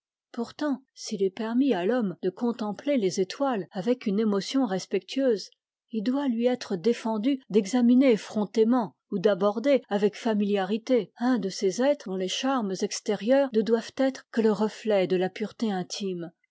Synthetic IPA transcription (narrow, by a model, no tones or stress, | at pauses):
puʁt̪ɑ̃silɛpɛʁmialɔmd̪̥əkɔ̃t̪ɑ̃plelezet̪walavɛkynemɔsjɔ̃ʁɛspɛk̚t̪ʰɥøːz | ild̪walɥiɛt̪χəd̪efɑ̃d̪yd̪ɛɡzaminefχɔ̃t̪emɑ̃ | ud̪abɔʁd̪eavɛkfamiljaʁit̪eɛ̃d̪əsezɛt̪χd̪ɔ̃leʃaʁməzɛkst̪eʁjœːʁnəd̪wav̥t̪ɛt̪χkələʁəflɛd̪əlapyʁt̪eɛ̃t̪ʰim